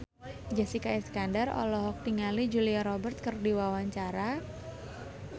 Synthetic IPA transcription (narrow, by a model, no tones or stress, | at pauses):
d͡ʒasikaɛskandarɔ̰lɔɦɔk̚t̪iŋalid͡ʒuliaɾɔbərt̪̚kɨrdiwawaɲt͡ʃaɾa